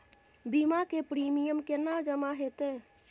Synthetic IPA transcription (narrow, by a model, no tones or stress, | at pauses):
bimakepɾiːmijəmkenad͡ʒəmaɦet̪eː